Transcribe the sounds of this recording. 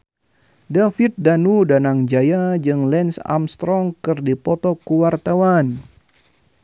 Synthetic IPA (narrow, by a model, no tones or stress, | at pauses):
dafit̪̚danudanaŋd͡ʒajad͡ʒɨŋlɛnsa̰mst̪ɾɔŋkɨrdipɔt̪ɔkuwart̪awan